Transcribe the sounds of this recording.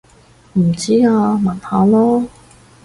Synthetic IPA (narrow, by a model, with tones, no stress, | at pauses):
m̩˨˩t͡siː˥aː˧mɐ˨˩nhaː˨˧lɔː˥